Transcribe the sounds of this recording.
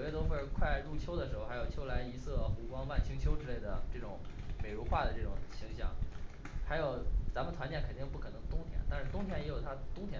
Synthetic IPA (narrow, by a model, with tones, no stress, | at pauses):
ʊjɥɛ˥˩t̪wo˥fə˥˧˩kʰwa˥˧ɪɻu˥˩t͡ɕʰjo˥ʊd̪ə˩ʂɻ̩˧˥o˧ʊxa˧˥ɪjt͡ɕʰjo˥la˧˥ɪi˧˥sɤ˥˩xu˧˥kwɑ˥ŋma˥˩nt͡ɕʰi˧˥ŋt͡ɕʰjo˥ʊʈ͡ʂɻ̩˥le˥˩ɪd̪ə̰˩ʈ͡ʂɤ˥˩ʈ͡ʂʊ˧˩˦ŋme˨˩ɪɻu˧˥xwa˥˩d̪ə˩ʈ͡ʂɤ˥˩ʈ͡ʂʊ˨˩ŋɕi˧˥ŋɕjɑ̰˥˩ŋ | xa˧˥ɪjo˨˩ʊt͡sa˧˥nmə˨t̪ʰwa˧˥nt͡ɕjɛ˥˩nkʰə˨˩nt̪i˥˧ŋpu˥˩kʰɤ˨˩nɤ˧˥ŋt̪ʊ˥ŋt̪ʰjɛ̰˧˥nt̪a˥˧nʂɻ̩˥˩t̪ʊ˥ŋt̪ʰjɛ˥˩njɛ˧˥jo˨˩ʊt̪ʰa˥t̪ʊ˥ŋt̪ʰjɛ˥